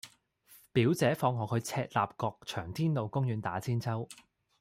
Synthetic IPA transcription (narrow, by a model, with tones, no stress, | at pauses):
piː˨˥wt͡sɛː˨˥fɔː˧ŋɦɔː˨kʰɵ˨˧ɥt͡sʰɛː˧t̚laː˨p̚kɔː˧k̚t͡ʃʰœː˨˩ŋt̪ʰiː˥nlo˨wkʊ˥ŋjyː˨˧nt̪aː˨˥t͡sʰiː˥nt͡sʰɐ˥w